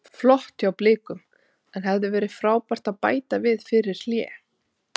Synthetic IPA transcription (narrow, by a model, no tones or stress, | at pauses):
flɔht̪awplɪːkʏm | ɛnɦɛvðʏvɛːɾɪðfɾaːwpar̥t̪aðpa̰ːjt̪avɪðfɪɾɪɾ̥l̥jɛ̰ː